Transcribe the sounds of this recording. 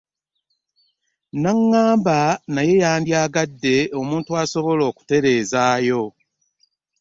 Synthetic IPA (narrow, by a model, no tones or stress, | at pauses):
naŋːaːmbanaje̞jaːndjaːɡadːe̞o̞muːntuaso̞βo̞lo̞ːku̥te̞ɾe̞ːzaːjo̞